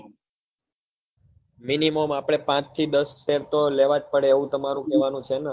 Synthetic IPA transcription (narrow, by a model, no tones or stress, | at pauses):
minimomapɽ̃epãt͡ʃt̪ʰid̪əsːeɾt̪oleʋad͡ʒ̚pəɽeːʋũt̪əmaɾũkɛʋanũt͡ʃʰena